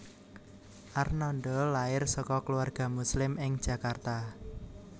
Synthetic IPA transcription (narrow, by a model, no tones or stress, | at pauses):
ʔarnɔnɖɔlaɪrsɔkɔkəluarɡ̥a̤muslɪmɪŋ̥ʒ̥ä̤kart̪a